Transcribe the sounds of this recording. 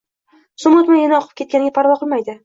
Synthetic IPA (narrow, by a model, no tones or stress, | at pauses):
sʊmʊt̪manjanaɒqʰɨ̥p̚kʲe̞t̪̚kʲanɪɡʲapʰaɾvɒqʰɨlˠmajd̪ɪ